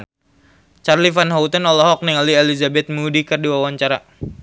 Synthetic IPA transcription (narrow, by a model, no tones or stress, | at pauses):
t͡ʃarlifanɦaut̪anɔlɔɦɔk̚nɛŋalielizabɛt̪̚mudikərduwawaɲt͡ʃaɾa